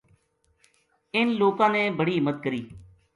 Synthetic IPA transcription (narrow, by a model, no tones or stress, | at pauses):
ɪnloːkãːneːbəɽiːmət̪̚kəɾiː